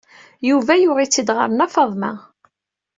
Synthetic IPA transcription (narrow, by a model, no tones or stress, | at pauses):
juvæjʊʁit͡sːid̪ʁə̰ɾənɑfɑðˤmæ̰